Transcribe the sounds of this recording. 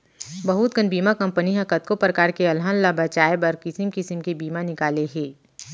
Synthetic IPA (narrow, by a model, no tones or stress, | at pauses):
bɐɦut̪̚ɡənbiːmakɐ̃mpəniɦɐkət̪̚kopɾəkaːɾkeɐlɦə̃nlabɐt͡ʃaːebɐɾkɪsimkɪsəmkebiːmanɪkaːleɦɛː